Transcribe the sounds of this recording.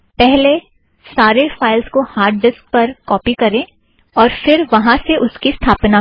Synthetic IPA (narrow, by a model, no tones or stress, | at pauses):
pɛɦle | saːɾefaːɪlskohaːɾɖɖɪsk̚pɐɾkɔːpikɐɾẽː | ɔːɾfɪɾʋɐɦãseʔʊskist̪ʰaːpna